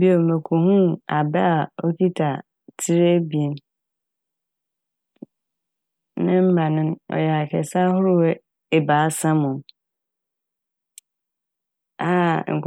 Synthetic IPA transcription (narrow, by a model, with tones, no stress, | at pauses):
bi˦o˨mẽ˨kʰo˨hũ˦a˨bɛ˦a˨o˦kʰi˦tʰa˨ | tʰi˦ɾe˦bi˨e˨n | nɪ̃˦m̩˦ba˨nɪ̃˦nɔ̰˨jɛ˨a˨kʰɛ˨sa˦ɦʊ˦ɾʊ˦wɛ˦ | e˨ba˨˦sã˦mʊ̃˨m | a˦˨ŋ̩˨